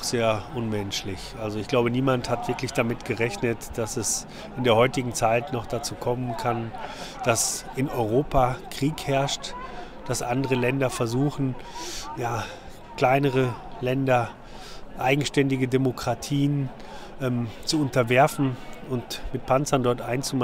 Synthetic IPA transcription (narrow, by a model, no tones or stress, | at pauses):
z̥eːɐʔʊnmɛnʃlɪçʔalzoɪçɡ̥laʊbəniːmanthatv̥ɪɐklɪçd̥amɪtɡ̥əʁɛçnətd̥asɛs | ɪndeːɐhɔʏtɪɡŋ̩t͡saɪtnɔχd̥at͡suːkʰɔmənkʰand̥asʔɪnɔʏʁ̞oːpʰakʁ̥iːkhɛɐʃt | d̥asʔa̰ndəʁəlɛndɐfɛɐzuːxn̩jaː | kl̥aɪnəʁ̞əlɛndɐ | ʔaɪɡŋ̩ʃtɛndɪɡədemokʁ̥atʰiːən | ʔɛmt͡suʊntɐvɛɐfn̩ʊntmɪt̚pʰant͡sɐndɔɐtʔaɪnt͡sum